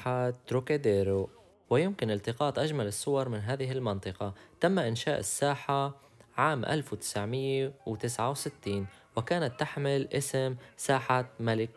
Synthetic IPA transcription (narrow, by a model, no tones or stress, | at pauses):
at̪ɾuked̪eːɾo | wɪjɪmkɪnɪlt̪ɪqɑːt̪ˤʔaʒmalɪsːʊwɑɾˤmɪnɦaːðɪɦɪlmɑnt̪ˤɨqɑt̪amːaʔɪnʃaːʔɪsːaːħa | ʕaːmʔa̰lfwt̪ɪ̥sʕmɪjːewt̪ɪsʕawsɪt̪ːiːn | wɪkaːnat̪ːaħmɪlʔɪsɪmsaːħamalɪk